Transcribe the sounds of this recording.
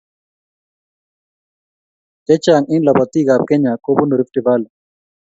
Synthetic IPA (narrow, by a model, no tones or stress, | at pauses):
t̪et͡ɕaːŋinlɐbɐt̪iːɡaːb̚keɲaːkobunuɾifʈibaːl